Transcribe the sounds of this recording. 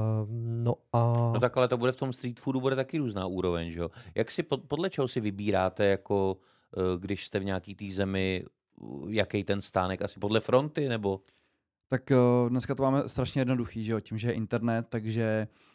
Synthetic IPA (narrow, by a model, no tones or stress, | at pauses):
noanot̪akalɛt̪o̞budɛft̪o̞mst̪ɾiːt̪fudubudɛt̪akɪɾuːznaːʔuːɾo̞vɛɲʒɛjo̞jaksɪpopodlɛt͡ʃɛɦosɪvɪbiːɾaːt̪ɛjako | ɡdɪʃst̪ɛvɲaːkiːt̪iːzɛmɪ | jakɛjt̪ɛnst̪aːnɛkʔasɪ̥po̞dlɛfɾo̞nt̪ɪnɛbo̞ | t̪akdnɛskat̪omaːmɛst̪ɾaʃɲɛjɛdnoduxiːʒɛjocɪmʒɛjɛʔɪnt̪ɛɾnɛt̪ːaɡʒɛ